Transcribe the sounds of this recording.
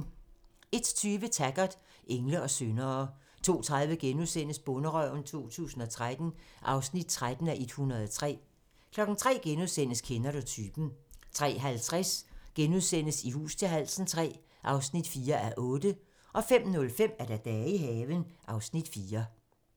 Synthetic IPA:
e̝d̥t͡sʰyːʋət͡sʰæɡ̥ɐd̥ | eŋləɒ̽sønɐː | t͡sʰo̝̰ːt͡sʰʁað̞ˠʋəɡ̥enuðˠsen̰əsb̥ɔ̽nəʁœʊnt͡sʰo̝̰ːt͡sʰṵːsn̩ɒ̽t͡sʰʁad̥n̩ʔɑ̈ʊsnid̥̚t͡sʰʁad̥n̩æʔe̝d̥hunʁɐð̞ˠɒt͡sʰʁɛ̰ː | kʰlɒ̽ɡ̥n̩t͡sʰʁɛ̰ːɡ̥enuðˠsen̰əskʰenɐɾot͡sʰyːb̥n̩t͡sʰʁɛ̰ːɦælt͡sʰʁasɡ̥enuðˠsen̰əsihṵːst͡sʰe̝lɦæl̰sn̩t͡sʰʁɛ̰ː | ʔɑ̈ʊsnid̥fiːɐʔæɐʔɔ̽ːd̥ə | ʔɒ̽fem̰nɔ̽lfem̰æɐd̥æd̥ɛːiɦɛːʋənʔɑ̈ʊsnid̥fiːɐ

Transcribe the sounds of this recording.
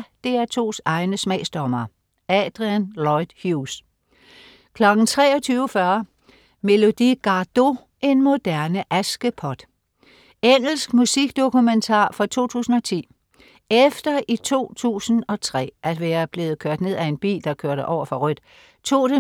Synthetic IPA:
d̥e̝æɐt͡sʰo̝̰ːsɑ̈ɪnəsmɛɪsd̥ɒmɐ | ɛd̥ʁiænlɒɪd̥hjus | kʰlɒ̽ɡ̥n̩t͡sʰʁɛ̰ːɒ̽t͡sʰyːʊfɶɐ | me̝lo̝d̥iɡ̥ɑ̈d̥o̝ | ʔe̝nmo̝d̥æɐnəʔæsɡ̥əpʰɒ̽d̥ | eŋ̰l̩sɡ̥musiɡ̥d̥o̝kument͡sʰɑ̰̈ːfʁɒt͡sʰo̝̰ːt͡sʰṵːsn̩ɒ̽t͡sʰḭː | efd̥ɐʔit͡sʰo̝̰ːt͡sʰṵːsn̩ɒ̽t͡sʰʁɛ̰ːʔæd̥ʋeːɐb̥le̝ːð̩ˠkʰøɐ̰d̥ne̝ð̞̰ˠæe̝nb̥ḭːld̥ɑ̈kʰøɐ̰ɾ̥əʔɒʊɐfɒ̽ʁœd̥ | t͡sʰo̝̰ːɾ̥e

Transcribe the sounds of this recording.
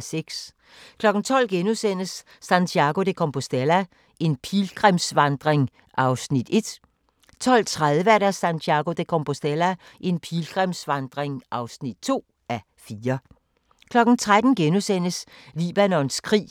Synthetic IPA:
seɡ̥s | kʰlɒ̽ɡ̥n̩t͡sʰɒ̽l̰ɡ̥enusen̰əsː | ænt͡sʰiɑ̈ɡ̥o̝d̥e̝kʰompʰo̝sd̥elæ | ʔe̝npʰilɡ̥ʁɛmsʋɑ̈nd̥ʁeŋ | ʔɑ̈ʊsnid̥e̝d̥ | t͡sʰɒ̽l̰t͡sʰʁaðˠʋəæɐɾæsænt͡sʰiɑ̈ɡ̥o̝d̥e̝kʰɔmpʰo̝sd̥elæ | ʔe̝npʰilɡ̥ʁɛmsʋɑ̈nd̥ʁeŋʔɑ̈ʊsnid̥̚t͡sʰo̝̰ː | æ | fiːɐ | kʰlɒ̽ɡ̥n̩t͡sʰʁad̥n̩ɡ̥enusen̰əsliːb̥ænɔ̽nskʰʁḭː

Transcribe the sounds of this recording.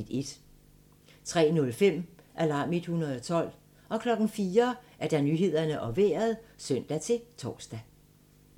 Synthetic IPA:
de̝d̥ | t͡sʰʁɛ̰ːnɔ̽lfem̰ʔælɑ̈ːmid̥hunɐð̩ˠɒ̽t͡sʰɒ̽l̰ | ɒ̽kʰlɒ̽ɡ̥n̩fiːɐʔæɐd̥ɑ̈nyɦe̝ð̞̰ˠɐnəʔɒ̽ʋeːɐð̞ˠsœn̰d̥æt͡sʰe̝lt͡sʰɒ̰ːsd̥æ

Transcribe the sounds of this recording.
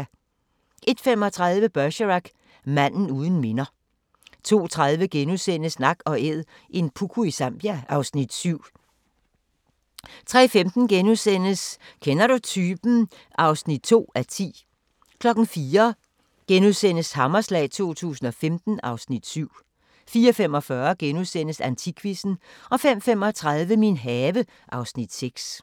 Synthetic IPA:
ʔe̝d̥fem̰ɒ̽t͡sʰʁɑð̞ˠʋəb̥ɶɕəʁɑɡ̥ | mæn̰n̩uːð̞ˠn̩me̝nɐ | t͡sʰo̝̰ːt͡sʰʁaðˠʋəɡ̥enusen̰əsnɑ̈ɡ̥ɒ̽eð̰ˠ | ʔe̝npʰukʰuisɑmb̥jæʔɑ̈ʊsnid̥syʊ̰ | t͡sʰʁɛ̰ːfemd̥n̩ɡ̥enusen̰əskʰenɐɾ̥ut͡sʰyːb̥n̩ | ʔɑ̈ʊsnid̥̚t͡sʰo̝̰ːæt͡sʰḭː | kʰlɒ̽ɡ̥n̩fiːɐ | ɡ̥enuðˠsen̰əshɑ̈mɐslɛ̰ːɪt͡sʰo̝̰ːt͡sʰṵːsn̩ɒ̽femd̥n̩ɑ̈ʊsnid̥syʊ̰ | fiːɐfem̰ɒ̽fɶɐɡ̥enuðˠsen̰əsænt͡sʰikʰʋisn̩ɒ̽fem̰fem̰ɒ̽t͡sʰʁɑðˠʋəminɦɛːʋə | ʔɑ̈ʊsnid̥seɡ̥s

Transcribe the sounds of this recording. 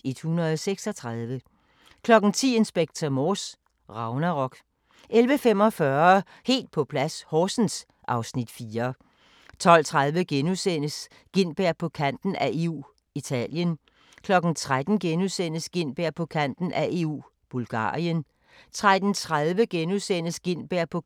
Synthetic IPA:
e̝d̥hunɐð̩ˠɒseɡ̥sɒ̽t͡sʰʁaðˠʋə | kʰlɒ̽ɡ̥n̩t͡sʰḭːe̝nsb̥eɡ̥̚t͡sʰɐmɒːs | ʁɑ̈ʊnæʁɒ̽ɡ̥ | ʔelʋəfem̰ɒ̽fɶɐ | he̝̰ːld̥̚pʰɒ̽pʰlæshɒːsn̩s | ʔɑ̈ʊsnid̥fiːɐ | t͡sʰɒ̽l̰t͡sʰʁaðˠʋəɡ̥enusen̰əs | ɡ̥e̝n̰b̥æɐ̰pʰɒ̽kʰæn̰d̥n̩æe̝ːṵː | it͡sʰɛ̰ːljən | kʰlɒ̽ɡ̥n̩t͡sʰʁad̥n̩ɡ̥enusen̰əsɡ̥e̝n̰b̥æɐ̰pʰɒ̽kʰæn̰d̥n̩ʔæʔe̝ːṵː | b̥ulɡ̥ɑ̰̈ːiən | t͡sʰʁad̥n̩t͡sʰʁaðˠʋəɡ̥enusen̰əsɡ̥e̝n̰b̥æɐ̰pʰɒ̽

